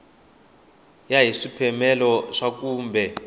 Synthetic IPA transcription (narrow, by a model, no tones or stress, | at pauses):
jaɦiʂipʰɛmɛlɔʂak̬uːmbʱɛ